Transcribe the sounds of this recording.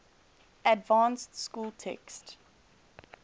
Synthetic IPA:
ədvãnstskuːlˠtʰɛ̰kst

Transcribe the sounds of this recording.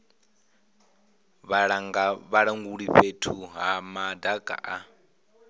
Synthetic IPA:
βaɺŋaβaɺaŋɡuɺiɸetʰuɦamadaɡʼa̰ʔa

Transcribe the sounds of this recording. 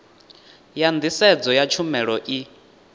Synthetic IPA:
jand̪isɛd͡zɔjat͡ʃʰumɛɺɔʔi

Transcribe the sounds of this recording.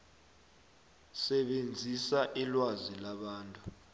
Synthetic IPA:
sɛɓend͡zʱisaʔilwazilaɓaːntʼu

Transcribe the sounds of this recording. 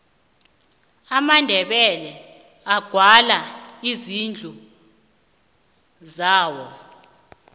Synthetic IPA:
amandʱɛɓɛlɛ | aɡ̥ʱwalaizind͡ɮʱu | zaːwɔ

